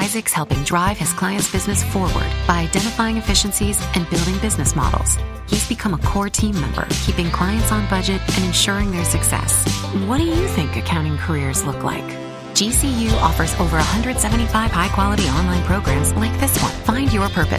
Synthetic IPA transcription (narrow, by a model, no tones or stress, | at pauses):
aɪzɨkshɛlˠpɪ̃ŋdɹaɪv̥ɨz̥kʰl̥aɪɨ̃ntsb̥ɪznɨsfɔɹwə̰˞d̚b̥aɪaɪdɛ̃ɾ̃ɨfaɪɪ̃ŋɨfɪʃɨ̃n̩sizʔɨ̃nbɪlˠdɪ̃ŋbɪznɨsmɑ̰ɾl̩ˠz̥ | hizbɨkʰʌ̃məkʰɔɹtʰĩmɛ̰̃mbə̰˞kʰipɪ̃ŋkʰl̥aɪɨ̃ntsn̩bʌd͡ʒɨɾʔɨ̃nɨ̃nʃʊɹɪ̃ŋðə˞sɨksɛ̰swʌt̚d̥ɨjɨθɪ̃ŋkɨkʰãʊ̃ɾ̃ɪ̃ŋkʰə˞ɪɹzlʊkla̰ɪk | d̥ʒ̥isijʉʔɔfə˞zo̰ʊvə˞əhʌ̃ndɹɨd̥sɛvɨ̃n̩tifaɪv̥haɪkʰw̥ɑlˠəɾiɑ̃nlãɪ̃npʰɹ̥oʊɡɹæ̃mzlaɪk̚ðɪswʌ̰̃nfãɪ̃ndjə˞pʰɜ˞pɨ̰s